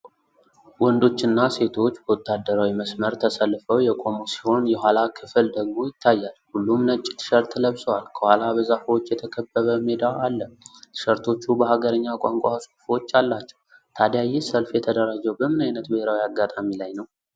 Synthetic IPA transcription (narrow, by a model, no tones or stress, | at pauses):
wɔnd̪o̞t͡ʃːɨnːase̞t̪ʰo̞t͡ʃːbəwɔt̪ʰːad̪ːəɾawiməsməɾt̪ʰəsəlːfəwjɛkʼo̞mosi̥ho̞njɛɦʷalakʰɨfɨld̪əɡmo̞jɪt̪ʰːajːalhulːumnət͡ʃʼːi̥t̪ʰɨ̥ʃəɾt̪ʰːləβsəwalkʰəhʷalabəzafwot͡ʃːjɛt̪ʰəkʰəbːəβəmed̪aʔalːət̪ʰɨ̥ʃəɾt̪ʰo̞t͡ʃːubəhaɡəɾəɲːakʷʼaŋkʷʼaso̥fot͡ʃːalːat͡ʃːɛ̥wt̪ʰad̪jajɛsəlfjɛt̪ʰəd̪əɾad͡ʒɛwbəmɨnajnət̪bəheɾawiaɡːat̪ʼamilajnəw